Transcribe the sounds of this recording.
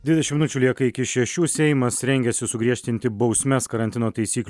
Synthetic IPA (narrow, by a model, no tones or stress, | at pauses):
dd̪ʲʋʲɪd̪ɛʃʲɪmʲɪnʊt͡ʃʲuːlʲiɛkɐɪɪkʲɪʃʲɛʃʲuːsʲɛɪmɐsɾʲɛŋʲɡʲɛsʲɪsʊɡɾʲiɛʃʲt̪ʲɪnʲt̪ʲɪbɒʊsʲmʲɛskɐɾɐnʲt̪ʲɪnoːt̪ɐɪsʲiːklʲ